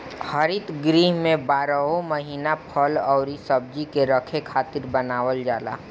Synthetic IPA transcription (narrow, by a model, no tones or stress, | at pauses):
həɾɪt̪ɡɾiːɦmẽbaːɾəɦoməɦiːnapʰəlɔʊɾisəb̚d͡ʒikeɾəkʰekʰaːt̪ɪɾbənaːwəld͡ʒaːla̰ː